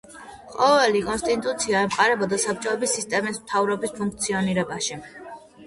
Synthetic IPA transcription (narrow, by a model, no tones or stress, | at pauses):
qʼɔvɛlikʼɔnst̪ʼit̪ʼut̪sʰiaɛmqʼaɾɛbɔd̪asap̚t͡ʃʼɔɛbisist̪ʼɛmismt̪ʰavɾɔbispʰuŋk̚t̪sʰiɔniɾɛbaʃi